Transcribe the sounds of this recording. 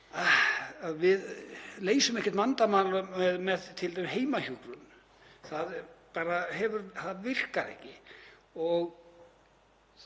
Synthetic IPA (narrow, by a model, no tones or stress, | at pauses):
aaðvɪðleːjsʏmɛhcɪɾt̪mant̪amaːlʏɛðmɛðt̪ʰːɪlt̪ajmɪɦeːjmaçukɾʏm | θaðpaːɾaɦɛvʏɾθaðvɪr̥kaɾɛ̰hcɪɔɣ